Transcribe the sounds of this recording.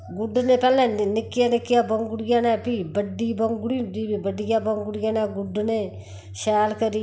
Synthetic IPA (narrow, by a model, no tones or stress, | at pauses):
ɡʊɖnepɛlnɛ̃nɪkːɪjanɪkːijabəŋɡʊɽijanɛːpibəɖːiːbəŋɡuɽind̪ibibəɖijabəŋɡʊɽijanɛɡʊɖne | ʃɛːlkəɾi